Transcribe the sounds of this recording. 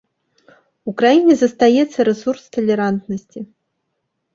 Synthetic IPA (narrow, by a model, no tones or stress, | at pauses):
ukɾajinʲɛzɐst̪ajɛt̪sːɐɾɛsurst̪ɐlʲɛɾant̪nɐsʲt͡sʲi